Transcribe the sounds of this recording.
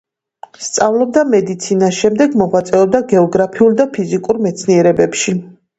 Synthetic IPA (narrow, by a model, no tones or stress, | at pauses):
st̪sʼavlɔb̚d̪amɛd̪it̪sʰinasʃɛmd̪ɛɡmɔʁwat̪sʼɛɔb̚d̪aɡɛɔɡɾapʰiulˠd̪apʰizikʼuɾmɛt̪sʰniɛɾɛbɛpʃi